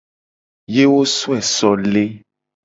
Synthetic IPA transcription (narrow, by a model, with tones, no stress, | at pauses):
je˦wo˦su˦ɛ˨sɔ˨le˦